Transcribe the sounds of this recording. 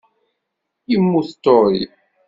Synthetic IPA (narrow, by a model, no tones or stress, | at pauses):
jimːuθt̪ːoɾi